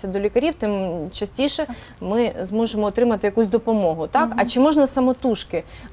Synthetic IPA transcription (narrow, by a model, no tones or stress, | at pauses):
sʲɐd̪ɔlʲikɐɾʲiwt̪ɪmt͡ʃɐsʲtʲiʃɛ | mɪzmɔʒemɔːt̪ɾɪmɐt̪ɪjɐkusʲd̪ɔpɔmɔɦʊt̪ɑkɐt͡ʃɪmɔʒnɐsɐmɔt̪uʃkɪ